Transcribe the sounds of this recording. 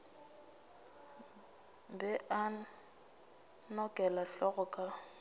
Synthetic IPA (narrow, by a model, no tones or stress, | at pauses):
bɛʔa | nɔkʼɛlaɬɔɣɔkʼa